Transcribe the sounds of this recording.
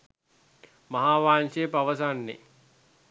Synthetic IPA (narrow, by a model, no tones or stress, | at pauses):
maɦaːʋaːnsepaʋəsanːḛ